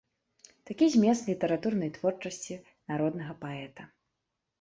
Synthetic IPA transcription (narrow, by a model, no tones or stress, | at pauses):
t̪akʲizʲmʲɛst̪lʲit̪ɛɾat̪urnɐjt̪vɔrt͡ʂɐsʲt͡sʲi | naɾɔd̪nɐɣɐpaɛt̪ɐ